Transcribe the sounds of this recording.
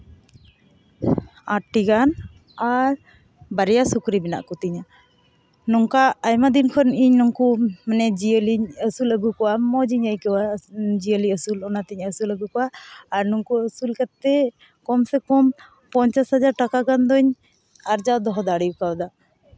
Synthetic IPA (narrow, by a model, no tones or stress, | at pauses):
aʈːiɡan | aɾ | baɾɛjasukɾibɛna̰ʔkɔt̪iɲa | nɔŋkaːjmad̪inkʰɔniɲnɔŋkumanɛd͡ʒiəliɲəsuləɡukɔwamɔd͡ʒiɲajkɔwad͡ʒiəliəsulɔnat̪iɲəsuləɡukɔwaːɾnuŋkuəsulkat̪ːɛ | kɔmsɛkɔm | pɔɲt͡ʃashad͡ʒaɾʈakaɡand̪ɔɲ | aɾd͡ʒad̪ɔɦɔd̪aɽiukawd̪a